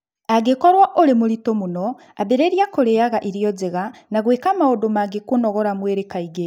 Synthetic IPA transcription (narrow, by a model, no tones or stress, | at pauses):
aɡekoɾwaʔoɾemuɾitomuno | abeɾeːɾjakoɾejaɣaʔiɾjod͡zeɣanaɣwekamaodomaɡekunoɣoɾamweɾekaiɡe